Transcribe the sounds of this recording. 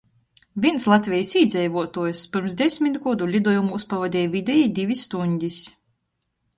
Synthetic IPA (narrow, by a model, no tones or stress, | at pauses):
vʲiɛnslˠat̪ʲvʲɛjisiːd̪zʲɛjvuɔt̪uɔjspɨɾmsd̪ʲɛsʲmʲit̪ɡɔd̪ulʲid̪uɔjumuuspavad̪ʲɛːjvʲid̪ʲɛjid̪ʲivʲisːt̪uɲʲd̪ʲis